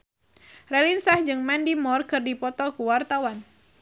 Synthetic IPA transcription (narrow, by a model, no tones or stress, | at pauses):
rɛlinsahd͡ʒɨŋmɛndimɔrkɨrdipɔt̪ɔkuwart̪awan